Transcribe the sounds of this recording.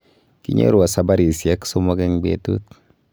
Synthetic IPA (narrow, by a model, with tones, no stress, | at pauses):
kḭ˦ɲḛ˦ɾu˨a˨sa˨ba˦ɾi˨sja˦kso˦mɔ˦kɛ˦ŋɡ͡bḛ˦tu˦t̚